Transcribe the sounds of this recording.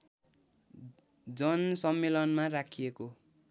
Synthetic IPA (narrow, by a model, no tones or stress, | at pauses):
d͡zʌnsʌmːelʌnmarakʰijeko